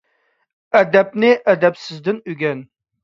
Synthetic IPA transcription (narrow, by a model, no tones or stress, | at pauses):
æd̪æp̚nɪʔæd̪æpsɪzd̪ɪnyɡʲæn